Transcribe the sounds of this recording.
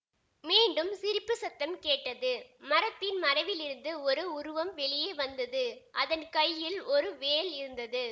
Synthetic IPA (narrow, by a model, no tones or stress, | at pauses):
miːɳɖɯmsɪɾɪpːɯsɐt̪ːɐmkeːʈːɐðɯmɐɾɐt̪ːɪnmɐɾɐʋɪlɪɾɯnd̪ɯɔɾɯʊɾʊʋɐmʋɛɭɪjeːʋɐnd̪ɐðɯʔɐðɐnkɐjːɪlɔɾɯʋeːlɪɾɯnd̪ɐðɯ